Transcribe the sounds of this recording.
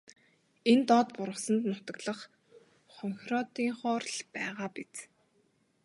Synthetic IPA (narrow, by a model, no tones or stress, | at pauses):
ent̪ɔt̪pʊɾə̆χsə̆nt̪nʊt̪ə̆kɮə̆χ | χɔŋxrɔt̪iːŋχɔːrɮpæːʁaːpit͡s